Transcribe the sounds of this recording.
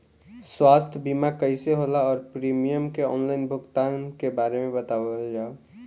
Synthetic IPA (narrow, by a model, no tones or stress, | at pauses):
sswaːst̪ʰbimakəɪseɦolaɔːɾpɾiːmijəmkeɔ̰ːnlaːɪnbʱʊkt̪ankebaːɾemẽbət̪aəld͡ʒaːo